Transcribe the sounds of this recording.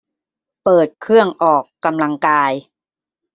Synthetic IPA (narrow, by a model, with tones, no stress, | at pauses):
pɤː˨˩t̪̚kʰɯ˥˩əŋʔɔː˨˩kːa˧mla˧ŋkaː˧j